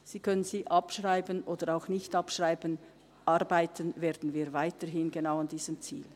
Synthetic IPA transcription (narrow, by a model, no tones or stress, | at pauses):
z̥iːkʰœnənziːʔɑpʃʁaɪbənʔoːd̥əɾaʊxnɪçtɑpʃʁ̥aɪbən | ʔɑʁbaɪtʰənvɛːɐd̥n̩viːvaɪtəɾɦɪnɡenaʊandiːz̥əmt͡sḭːl